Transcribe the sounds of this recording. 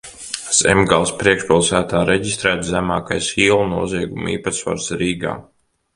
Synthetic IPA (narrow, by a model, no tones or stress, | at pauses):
sɛ̰mɡalˠspɾiɛkʃpilˠsæːt̪aːɾʔɛɟist̪ɾæːt̪zæmaːkajsiːlˠnuɔziɛɡumḭːpasfa̰ɾsɾiːɡa̰ː